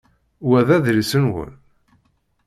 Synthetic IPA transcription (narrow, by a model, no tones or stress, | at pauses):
wæðæðɾisənwə̰l